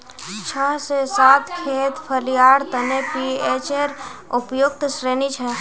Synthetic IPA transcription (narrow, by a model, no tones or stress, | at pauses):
t͡ʃʰəɦsesat̪ʰkʰet̪pʰəlijaːɽt̪ənepiet͡ʃeɾupjoɡt̪sɾenit͡ʃʰə